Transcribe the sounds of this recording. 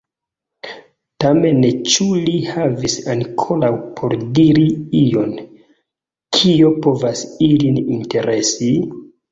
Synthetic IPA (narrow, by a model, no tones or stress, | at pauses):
tame̞nt͡ʃulihavisaŋkʰo̞ɾawpʰo̞ɾdiɾiijo̞n | kʰio̞po̞vasilininte̞ɾʔe̞si